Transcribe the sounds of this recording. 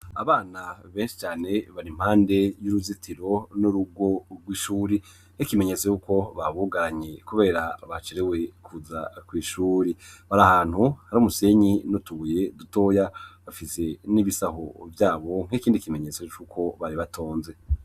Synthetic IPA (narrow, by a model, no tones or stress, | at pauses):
aβaːnaβe̞ːnʃi̥t͡ʃaːne̞βaɾim̥haːnde̞juɾuzitʰiɾo̞nuɾuɡwo̞ɡwiːʃuːɾi | ŋ̥ekime̞ɲet͡sejuko̞βaβuɡaɾaɲekuβe̞ːɾaβat͡ʃeɾewe̞kʰuza̰kwiːʃuːɾeβaɾahaːn̥huhaɾumuse̞ɲinotuβuje̞duto̞jaβafise̞niβisaɦovjaːβo̞ŋ̥ekiːndikime̞ɲe̞t͡set͡ʃukʰo̞βaɾiβatʰoːnze̞